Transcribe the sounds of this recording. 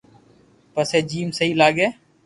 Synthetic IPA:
pəseːd͡ʒiːmsəɦiːlaːɡeː

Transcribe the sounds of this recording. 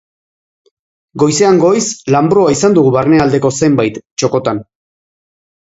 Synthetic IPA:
ɡo̞jse̞aŋɡo̞jslambɾoaisand̪uɣuβarne̞ald̪e̞ko̞se̞mbajt̪t͡ʃo̞ko̞t̪an

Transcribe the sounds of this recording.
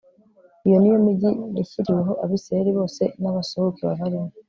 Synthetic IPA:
ijo̞nijo̞miɟiniciɾiweɦo̞ʔaβiseɾiβo̞ːse̞naβasohukiβa̰βaɾimo

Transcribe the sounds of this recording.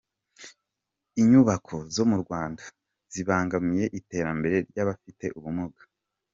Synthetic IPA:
iɲuβakʰo̞zo̞muɾɡwaːnda | z̥iβaːŋɡamije̞ʔite̞ːɾambe̞ɾe̞ɾɟaβafite̞ʔuβumuɡḁ

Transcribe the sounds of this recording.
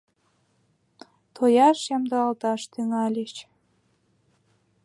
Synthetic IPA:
t̪ʰojɑʃjɑmd̪ɤɑlt̪ɑʃt̪yŋɑlʲet͡ɕ

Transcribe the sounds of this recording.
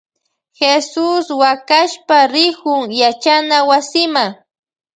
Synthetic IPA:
xesʊswakaʃpaɾɪkʊŋjat͡ʃanawasɪma

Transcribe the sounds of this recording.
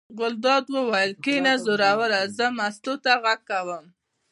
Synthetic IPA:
ɣʊld̪ɑd̪wəwajəlkenazʊɾɑwaɾazəmast̪ot̪aɣaɡ̚kawəm

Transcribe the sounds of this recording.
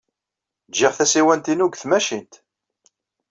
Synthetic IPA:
d͡ʒɪʁθæsiwænt̪inuɡθmæʃint̪

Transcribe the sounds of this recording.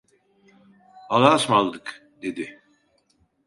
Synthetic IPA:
alˠaːsmalˠd̪ɯk | d̪ed̪ɪ

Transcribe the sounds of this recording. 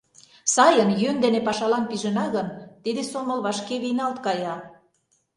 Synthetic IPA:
sɑjənjønd̪enepɑʃɑlɑnpiʒə̆nɑɣənt̪id̪esomə̆lβɑʃkeβinɑlt̪kɑjɑ

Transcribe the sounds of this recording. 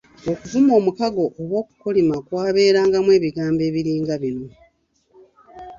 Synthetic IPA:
okuvumo̞ːmukaɡo̞ʔowo̞ːku̥kolimakwaːβe̞ːɾaːŋɡamwe̞ːβiɡaːmbe̞ːβiɾiːŋɡaβino̞

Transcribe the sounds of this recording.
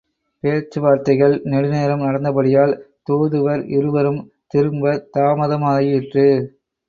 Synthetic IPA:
peːɾt͡ʃːɯʋaːɾt̪ɐɪɣɐɭnɛɽɯneːɾɐmnɐɽɐnd̪ɐpɐɽɪjaːl | t̪oːðɯʋɐɾʔɪɾɯʋɐɾɯm | t̪ɪɾɯmbɐt̪aːmɐðɐmaːðɐjɪʈrɯ

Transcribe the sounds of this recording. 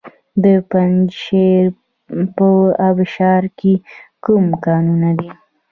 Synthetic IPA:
d̪əpanʃeɾ | pəabɪʃɑɾkekumkɑnunad̪i

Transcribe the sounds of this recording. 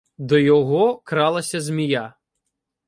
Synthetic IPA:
d̪ɔjɔɦɔkɾɑlˠɐsʲɐzmʲija

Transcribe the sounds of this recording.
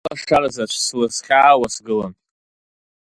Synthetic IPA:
aʂarazat͡ʃʷʰslɨsχʲaːwasɡɨlan

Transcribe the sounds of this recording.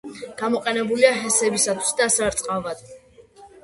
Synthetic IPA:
ɡ̥amɔqʼɛnɛbuliaɦɛsɛbisat̪ʰwisd̪asaɾt̪sʼqʼavad̪̥

